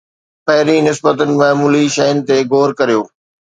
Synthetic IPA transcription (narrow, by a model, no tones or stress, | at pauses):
pɐɦɪɾinɪsbət̪ʊnɪ̆mɐːmuːliʃɐjənɪ̆t̪eɡoːɾkɐɾijoː